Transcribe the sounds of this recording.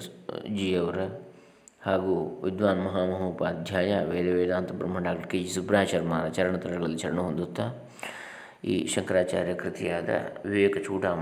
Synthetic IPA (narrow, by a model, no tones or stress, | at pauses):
d͡ʒijɐʋɾɐ | haːɡuʋɪd̪ʋaːnmɐɦaːmɐɦuːpaːd̪̚d͡ʒʱjaːjaːʋeːd̪eʋeːd̪aːnt̪ɐbɾɐmːɐɳɖaːk̚ʈɐɾked͡ʒisubɾaːʃɐɾmaːɾɐt͡ʃɐɾɐɳɐt̪ɐɾɐɾɡɐɭɐlːit͡ʃʰɐɾɐɳuɦʊ̃nd̪ut̪ːaː | ḭːʃɐŋkɾaːt͡ʃa̰ːɾjɐkɾɪt̪ijaːd̪a̰ʋɪʋeːkt͡ʃʰuːʈaː